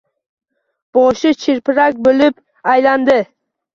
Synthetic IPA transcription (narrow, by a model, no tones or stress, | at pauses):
b̥ɒʃɪt͡ʃʰɪɾpɪɾak̚ʲbolɪp | ajland̪ɪ